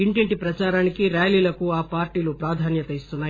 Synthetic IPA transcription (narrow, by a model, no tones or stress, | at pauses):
iɳʈiɳʈipɾɐt͡ʃaːɾaːnikiɾaːjliːlɐkuaːpaːɾʈiːlupɾaːd̪ʱaːnjɐt̪ɐist̪unːaː